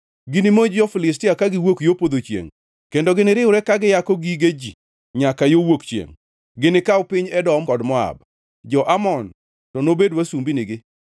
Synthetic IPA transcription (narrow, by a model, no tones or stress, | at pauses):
ɡinimod͡ʒjɔfɪlɪs̬tɪakaɡɪwokjopod̪ot͡ʃjḛŋ | kendoɡɪnɪɾɪwʊɾɛkaɡɪjakoɡiɡed͡ʒḭ | ɲakajowokt͡ʃjḛŋ | ɡɪnɪkaʊpɪɲɛdɔmkɔdmɔa̰b | d͡ʒɔʔamɔn | tɔnobedwasumbinɪɡɪ